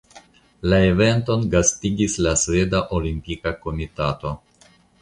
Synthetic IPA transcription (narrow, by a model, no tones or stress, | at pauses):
lae̞ve̞nto̞nɡastiɡislasve̞daʔo̞limpikako̞mitato̞